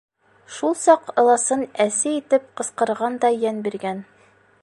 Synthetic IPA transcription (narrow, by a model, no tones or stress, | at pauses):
ʃulˠsɑqɤ̆lˠɑsɤnæsɘit̪ɘp̚qɤ̆sqɤ̆ɾʁɑnd̪ɑjænbiɾɡæn